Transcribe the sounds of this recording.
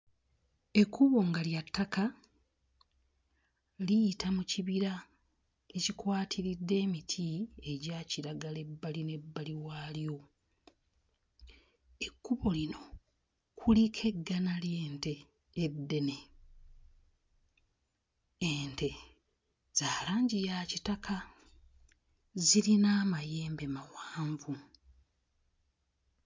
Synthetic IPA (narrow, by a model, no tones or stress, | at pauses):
e̞kːuβo̞ŋɡaljatːaka | lijtamuciβiɾa | ecikwaːtʰiɾidːe̞ːmitʰie̞ɟaːciɾaɡale̞bːaline̞bːaliwaːljo̞ | ekːuβo̞lino̞ | kʰulikʰe̞ɡːanalje̞ːnteː | dːe̞ne̞ | eːnte̞ | z̥aːlaːɲɟijaːcitakʰa | ziɾinaːmaje̞ːmbe̞mawaːɱvu